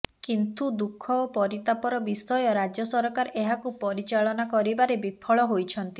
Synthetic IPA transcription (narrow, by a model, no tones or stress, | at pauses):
kint̪ud̪ukʰːɔpɔɾit̪apɔɾɔbisɔjɔɾad͡ʒjɔsɔɾɔkaɾeɦakupɔɾit͡ʃaɭɔnakɔɾibaɾebipʰɔɭɔɦojt͡ʃʰɔnt̪i